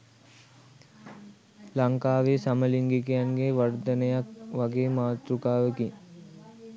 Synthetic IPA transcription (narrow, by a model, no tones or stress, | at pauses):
laŋkaːʋeːsaməliŋɡikijanɡeʋard̪ənəjak̚ʋaɡeːmaːt̪ɾukaːʋəki